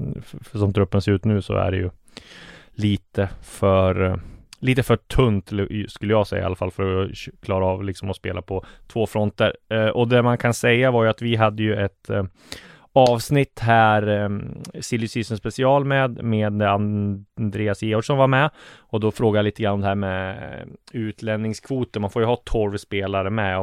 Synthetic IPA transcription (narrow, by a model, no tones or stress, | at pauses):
fʂɔmt̪ʰɾɵpːənseːɾʉ̟ːt̪nʉ̟ːsɔ̰æ̰ɖɛ̰jɵ̰ | liːt̪əfœɾliːt̪əfœʈʰɵnt̪skɵlːəjɑːɡsɛ̰ja̰a̰lːafa̰lfœɾɔkʰlɑːɾaɑːvlɪksɔmɔspḛːlapʰɔt̪ʰvoːfɾɔnt̪əɾʔɔd̪ɛmankʰansɛjːavaɾjɵat̪vɪɦad̪ːəjɵɛt̪ | ɑːvsnɪt̪ːɦæːɾ | sɪlːʏsiːsənspɛsɪɑːlmɛd̪meːd̪and̪ɾeːasjeːɔʈʂɔnvaɾmɛɔd̪ɔfɾoːɡajaliːt̪əɡɾanːɔmd̪ɛɦæːɾmɛ | ʉːt̪ʰlɛnnɪŋskʰvuːt̪əɾmanfoːjɵhɑːt̪ʰɔɾːspeːlaɾəmɛ